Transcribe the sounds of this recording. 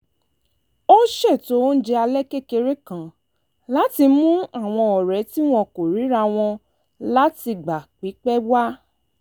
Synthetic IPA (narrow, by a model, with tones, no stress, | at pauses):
o˦ʃɛ˦˨to˨˦n̩˦d͡ʒɛ˧a˧lɛ˦ke˦˨ke˧ɾe˦kã˨ | la˨˦ti˧mũ˦a˦˨w̃ɔ̃˧ɔ˨ɾɛ˨˦ti˦w̃ɔ̃˧˨ko˨ɾi˨˦ɾa˧w̃ɔ̃˧ | la˦ti˧ɡ͡ba˨k͡pi˨˦k͡pɛ˦wa˦